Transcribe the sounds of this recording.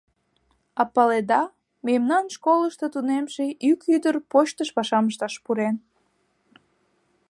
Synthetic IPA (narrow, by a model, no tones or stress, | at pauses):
ɑpɑled̪ɑ | memnɑnʃkoləʃt̪ot̪unemʃeʔykyd̪ərpot͡ɕt̪əʃpɑʃɑməʃt̪ɑʃpuɾen